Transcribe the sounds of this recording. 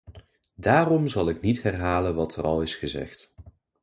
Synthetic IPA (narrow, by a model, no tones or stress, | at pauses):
daːrɔmzɑlˠɪknitɦɛrɦaːlənʋɑtʰərɑ̰lˠɪsχəzɛ̰χt